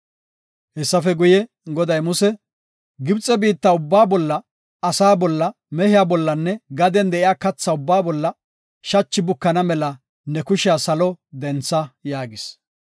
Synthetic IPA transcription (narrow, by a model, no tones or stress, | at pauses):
hɛsːɐfɛɡʊjɛ | ɡɔd̪ɐjmʊsɛ | ɡɪbt͡sʼːɛbiːt̪ːɐʊbːaːbɔlːɐ | ɐsaːbɔlːɐ | mɛhɪjaːbɔlːɐnːɛɡɐd̪ɛnd̪ɛʔɪjaːkɐt͡sːɐʊbːaːbɔlːɐ | ʃɐt͡ʃːɪbʊkːɐnɐmɛlɐ | nɛkʊʃɪjasɐlɔd̪ɛnt͡sːɐjaːɡɪs